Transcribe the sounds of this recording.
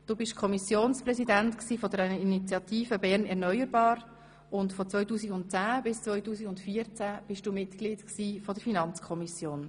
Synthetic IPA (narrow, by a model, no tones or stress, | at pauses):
d̥uːbɪʃkʰɔmisjoːnsprɛsidænt̪ksiːfɔdɛɾəinit͡sjɑt̪iːfəbɛɾnɛɾnœjəɾbɑːɾ | ʊntfɔt͡svœʏjtuːsiɡʊntt͡sæːbɪst͡svœʏtuːsikʊntfiːəɾt͡sæb̥ɪʃd̥uːmɪtklɪːdksiːfɔdəɾfinɑnt͡skʰɔmisjoːn